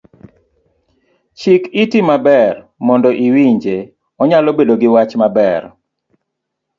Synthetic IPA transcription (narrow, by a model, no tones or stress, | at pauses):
t͡ʃikitimabɛr | mɔndɔʔiwiɲd͡ʒe | ɔɲalɔbedoɡɪwat͡ʃmabɛr